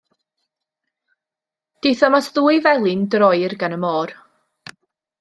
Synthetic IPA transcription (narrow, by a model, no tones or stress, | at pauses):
d̥iθɔmasðuːɨvɛlˠɨndrɔjrɡanəmɔːr